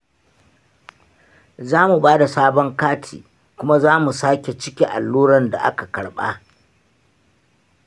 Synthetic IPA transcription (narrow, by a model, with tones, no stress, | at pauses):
zaː˦mu˨baː˦da˨saː˦bɔ˦ŋkaː˦tʰḭː˨ | kʷʊ˦ma˦zaː˦mu˨saː˦kʲe˨t͡ʃɪ˦kʲi˦ʔa̰˨lːuː˦ɾɐ˦nda̰˨ʔa̰˦ka˨kɐ˨ɽɓaː˦